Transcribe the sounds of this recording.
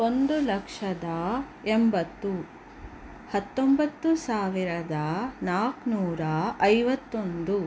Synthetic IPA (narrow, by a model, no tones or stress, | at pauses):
o̞nd̪ulɐkʂɐd̪ɐ | embɐt̪ːu | hɐt̪ːombɐt̪ːusaːʋiɾɐd̪ɐnaːknuːɾɐɐjʋɐt̪ːond̪u